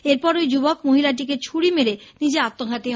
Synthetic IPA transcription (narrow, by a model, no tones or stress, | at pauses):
eɾpɔɾojd͡ʑubokmoɦilaʈ̬ik̬et͡ɕʰuɽimeɾenid͡ʑeat̪ːoɡʱat̪i